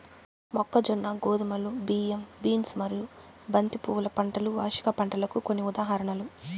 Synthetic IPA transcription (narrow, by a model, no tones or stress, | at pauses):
mɔkːɐd͡ʒɔnːɐɡoːd̪ɐmɐlubiːembiːnsmɐɾiju | bɐnt̪ipuːlɐpɐɳʈɐluʋaːʂi̥kɐpɐɳʈɐlɐkukonːiud̪aːɦɐɾɐɳɐlu